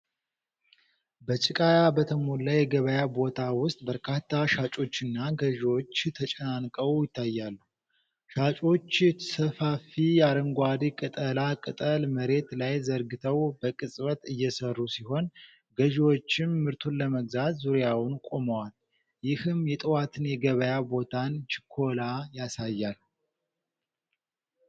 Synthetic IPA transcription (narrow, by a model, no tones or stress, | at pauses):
bət͡ʃʼɪkʼajabət̪ʰəmolːajɛɡəβəjabo̞t̪ʰawʊst̪ʼbəɾkʰat̪ʰːaʃat͡ʃʼo̞t͡ʃːɨnːaɡəʒwo̞t͡ʃːt̪ʰət͡ʃʼənankʼəwjɪt̪ʰːajːalːuh | ʃat͡ʃʼo̞t͡ʃːsəfafijaɾəŋɡʷad̪ikʼɨt̪ʼəlakʼɨt̪ʼəlməɾe̞t̪lajzəɾɡɨt̪ʰəwbəkʼɨsʼβət̪ɨjːɛsərːusiho̞n | ɡəʒwo̞t͡ʃːɪnmɨɾt̪ʰunləməɡzat̪zuɾjawʊnkʼo̞məwal | jɪhɨmjɛt̪ʼɨwat̪ʰɨnjɛɡəβəjabo̞t̪ʰant͡ʃɪ̥kʰo̞lajasajːal